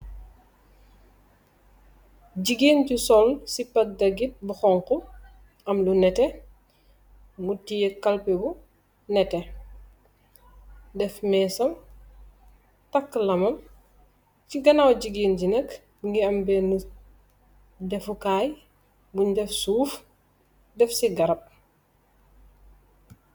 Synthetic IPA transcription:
ɟiɡiːncisɔlsipɐt̚dɐɡit̚buxɔŋku | ɐmlunɛtɛ | ŋɡutijekɐlpɛbu | nɛtɛ | dɛfmɛːsɐm | tɐkːlɐmɐm | ciɡɐnawɟiɡiːnɟinɐk | ŋɡiɐmbɛnu | dɛfukaːj | buɲdɛfsuːf | dɛfsiɡɐɾɐp̚

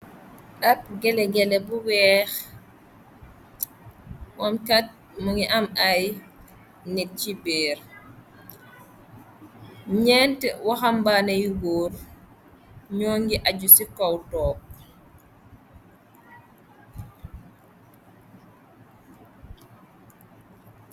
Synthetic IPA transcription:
ʔaɾ̚ɡɛlɛɡɛlɛbuwɛːx | wɔmkat̚ | muŋiʔamaj | nɛt̚cibɛːɾ | ɲɛntwaxambaːnɐjiwoːɾ | ɲɔːŋɡiʔaɟusikɔwtɔːk̚

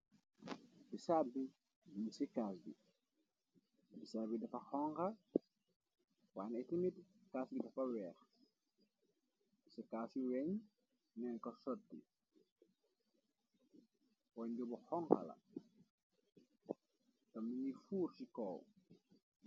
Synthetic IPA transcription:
bisaːbi | binsikasbḭ | bisaːbidɐfɐxɔŋkɐ | wanɛtimitkaːsɡidɐfɐwɛːx | isɛkaːsiwɛɲ | nɛnkɔsɔt̚dḭ | wɔɲɟɔbɔxɔŋxɐ̰lɐ̰ | tɐmniɲifuːɾsikɔːw

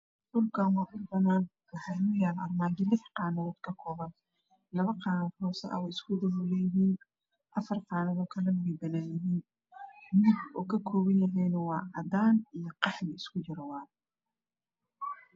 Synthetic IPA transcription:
d̪ʊlkʰɐwɑːʔʊbɐnaːn | wʊħɑjnʊjaːnʔɐrmaːnd̪ɪlɪħqɑːnɐɔd̪kʰɐkʰɔːβɐn | lɐβɐqɑːnɐːd̪ɦɔːsɛ̰ʔɐ̰wɛjɪskʰʊd̪ɐɦʊlɛjɪɦiːn | ʔɐfɐrqɑːnɐðɔːkʰɐlɐnwɛjbɐnaːjɪɦiːn | mʊɡɔːkʰɐkʰɔːβɐnjɐɦɛjnɐwɑːʔɐdaːnijɔqɑħmɪɪskʰʊt͡ʃɪɾɐwɑːð

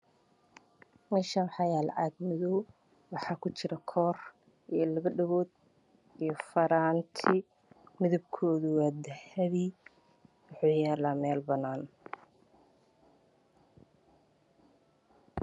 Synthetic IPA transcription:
mɛːʃɐwħɑjaːl̰ʕaːd̪mɪðɔw | wɑħɑːkʰʊt͡ʃɪɾɐkʰɔːr | ijɞlɐβɐɖɐβɔːd̪̚ | ijɞfɐɾaːnt̪ʰɪ | mɪðɐbkʰɔːðʊwaːd̪ɐhɐβi | wʊħuːjɛːlaːmɛːlbɐnaːn

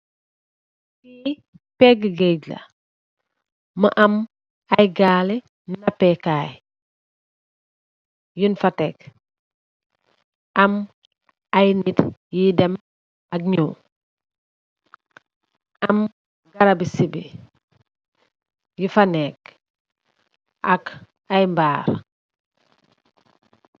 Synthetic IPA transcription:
fiː | pɛɡəɡɛɟlɐ̰ | mɐʔɐm | ɐjɡaːlɛ | nnɐpɛkaːj | junfɐtɛk | ʔɐm | ɐjnitjidɐm | ɐk̚ɲṵː | am | ɡaɾabisibi | jifanɛk | ʔɐk | ajmbaːɾ

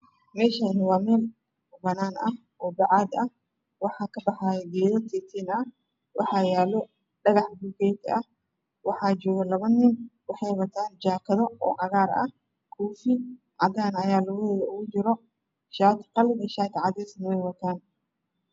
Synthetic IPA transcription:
mɛːʃɐɪnwaːmɛːl | bɐnaːnɐ | ʔɔːbɑʕɑd̪ɐh | wɑħɑːkʰɐbɐħaːjɡɛːðɐt̪ʰɛːt̪ʰɛːnɐ | wɑħɑːjaːlɔ | ɖɐɣɑħbukɛːt̪ɐ | wɑħɑːd͡ʒɔːɣɐlɐβɐnːɪnwɑħɑjwɐt̪ʰaːnd͡ʒaːkʰɐðɔɔ̰ːʕɑɣaːɾɐ̰ | kʰuːfɪ | ʕɑd̪aːnɐjaːlʊɣɛːjɐʊɣʊd͡ʒɪɾɔ | ʃaːt̪ʰqɑlɪnɛʃaːt̪ʰʕɑd̪ɛːsnɪwɛjwɐt̪ʰaːn

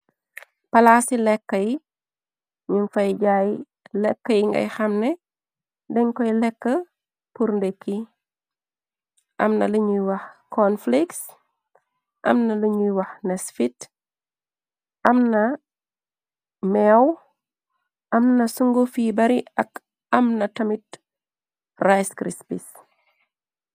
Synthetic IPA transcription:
pɐlasilɛkːɐj | ɲinfɐjɟaːj | lɛkːəjiŋɡɐ̰jxɐmnɛ | dɛɲkɔjlɛkːə | puɾndekːi | ʔɐ̰mnɐliɲujwɐxkʰonfliks | ʔɐ̰mnɐlɐɲujwɐxnɛsfit | ʔɐmnɐ | mɛw | ʔɐmnɐsuŋɡofiːbɐɾiɐk | ɐmnɐtɐmit | rajskɾispis

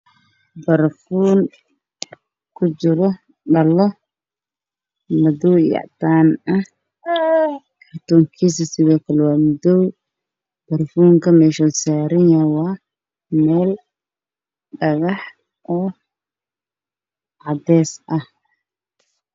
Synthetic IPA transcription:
bɐɾfuːn | kʰʊt͡ʃɪɾɔ | ɖɐlɔ | mɐdɔwjɑ̰ʕt̪aːnɐh | kʰɐrt̪ɔːŋkʰiːs̬ɐsɪðɔːkʰɐlɛwɑːmʊdɔw | b̥ɐrfuːŋkʰɐmɛːʃɔsaːɾɪnɐwɑː | mɛːl | ɖɐɣɑħ | ʔɔː | ʕɑd̪ɛːsʔɐh

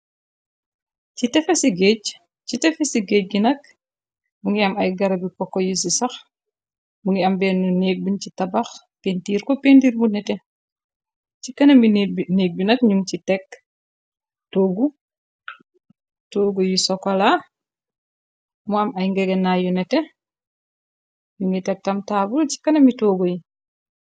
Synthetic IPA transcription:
citɛfesiɡec | citɛfɛsiɡeːc̚ɡinɐk̚ | muŋɡiɐmɐjɡɐɾɐbikɔkːɔjusisɐx | muŋɡiɐmbɛnːuneːk̚bincitɐbɐx | pentiːɾkɔpentiːɾmunɛtɛ | cikɐnɐmbineːk̚binɐtɲuŋt͡ʃitɛk | toːɡu | toːɡojisɔkɔla | muamajŋɡɛɡɛnajunɛtɛ | ɲuŋitɛk̚tɐmtaːbult͡ʃi̥kːɐnɐmitoːɡoji

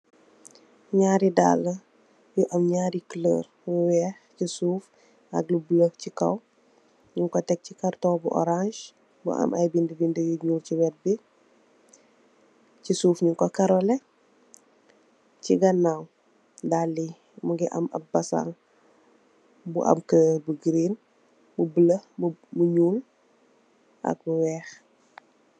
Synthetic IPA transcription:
ɲaːɾida̰lːə | juʔɐmɲaːɾikələ̰ːɾ | wɛhcisuːf | ɐ̰ɡlubləhcikɐw | ɲuŋkotɛk̚cikɐɾtɔːbuʔɔ̰ɾãʒ | bṵɐ̰mʔɐjbindəbindəjuɲuːɾciwɛt̚bi | cisuːfɲuŋkɔkɐɾɔlɛ | ciɡɐnːaw | dalːi | muɡiʔɐ̰mɐ̰p̚ːɐsa̰ŋ | buʔɐ̰mkəbəɡɾen | bubələbmuɲuːl | ʔɐ̰k̚buwɛːx

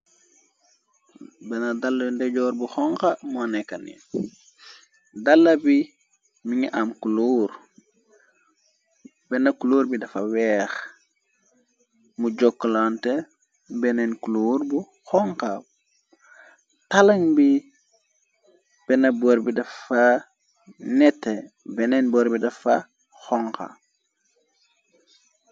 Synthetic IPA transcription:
bɛnɐdalːɐindɛɟɔːɾbuxɔŋkɐmonekɐnḭ | dalːɐbi | miŋiʔamkuluːɾ | bɛnɐkuluːɾbidɐfɐwɛːx | muɟɔkːlante | bɛnenkuluːɾbu | xɔŋka | talɐŋbi | b̥ɛnɐbɔɾbidɐfɐ | nɛtːe | bɛnenbɔɾbidɐfɐ | xɔŋka̰

